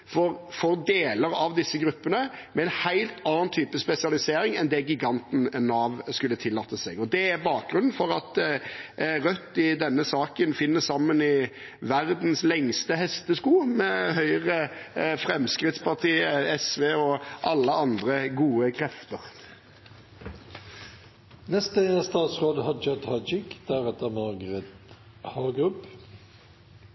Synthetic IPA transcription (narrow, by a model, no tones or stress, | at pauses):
fɔɾfɔɾd̪eːləɾɑʋd̪ɪsːəɡɾʉpːənəmɛɛnhæɪlt̪ʰɑːɑnt̪ʰyːpəspɛsɪɑlɪseːɾɪŋɛnd̪ɛɡɪɡɑnt̪n̩nːɑːʋskʉlːət̪ʰɪlːɑt̪ːəsɛɡɔd̪ɛæɾbɑːk̚ɡɾʉnn̩fɔɾɑt̪ | ʁœt̪ːɪd̪ɛnːəsɑːkənfɪnːəssɑmːənɪ | ʋæɾd̪nslɛŋst̪əhɛst̪əskuːmɛhœʏʁəfʁɛmskʁɪt̪spɑʁt̪ʰiːəɛsʋeːɔʔɑlːəɑnd̪ʁəɡuːəkʰʁɛft̪əʁ | nɛst̪əst̪ɑːt̪sʁoːd̪hɑd͡ʒœt̪hɑd͡ʒɪkd̪̥æɾɛt̪əmɑʁɡəʁɛt̪ | hɑɡʉp